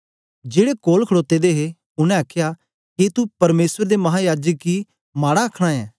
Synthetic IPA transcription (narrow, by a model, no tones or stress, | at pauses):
d͡ʒeːɽekoːlkʰəɽoːt̪ːed̪eɦe | ʊnɛ̃akʰja | ket̪upɐɾmeːsəɾd̪emɐɦajaːd͡ʒəkːi | maːɽaɐkʰɽ̃aɛː